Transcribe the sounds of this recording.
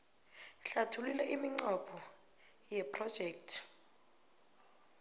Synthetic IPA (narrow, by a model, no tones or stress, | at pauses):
ɬatʰulilɛʔimiŋ͡ǀɔpʰɔ | jɛpʰʼrɔd̥ʒ̥ʱɛːk̚tʰ